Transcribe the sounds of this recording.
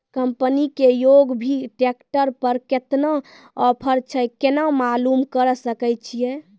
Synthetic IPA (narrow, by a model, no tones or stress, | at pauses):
kəmpənikejoɡbʱiʈekʈəɾpəɾket̪na | ɔpʰəɾt͡ʃʰəjkenamalumkəɾsəkəjt͡ʃʰijɛ